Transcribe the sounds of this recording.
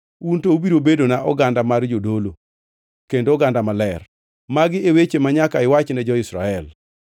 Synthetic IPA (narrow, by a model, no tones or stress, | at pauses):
untoubiɾobedonaʔɔɡandamard͡ʒodolo | kendoːɡandamalɛr | maɡɪewet͡ʃemaɲakaɪwat͡ʃnɛd͡ʒɔɪsɾa̰ɛl